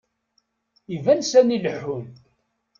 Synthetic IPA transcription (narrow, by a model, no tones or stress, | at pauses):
ivænsæniləħːʊnt̪